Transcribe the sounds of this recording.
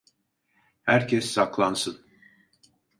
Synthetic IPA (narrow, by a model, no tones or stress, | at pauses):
hæɾcʰɛsːaklˠansɯn